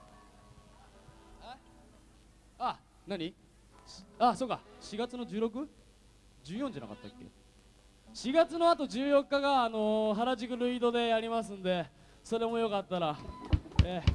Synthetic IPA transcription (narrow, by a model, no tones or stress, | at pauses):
a | naɲ̟i | ɕaso̞ːkːa̰ɕiɡat͡sɨno̞d͡ʑɨːɾo̞k̬ɯ̟ | d͡ʑɨːjõɲ̟d͡ʑanaka̰t̪ːa̰kːe̞̰ | ɕiɡat͡sɨno̞at̪o̞d͡ʑɨːjo̞kːaɡaːno̞ɦaɾaʑikɯ̟ɾɯ̟iːd̪o̞d̪e̞jaɾʲimasɨ̃nd̪e̞ | so̞ɾe̞mo̞jo̞kat̪ːaɾa | e